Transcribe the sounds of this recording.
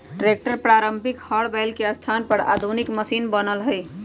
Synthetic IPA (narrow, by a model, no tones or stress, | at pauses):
ʈɾek̚ʈəɾpɾaɾəmbʱikhəɽbɛɪlkeəst̪ʰanpəɽa̰d̪ʱunikməsinbənəlɦəɪ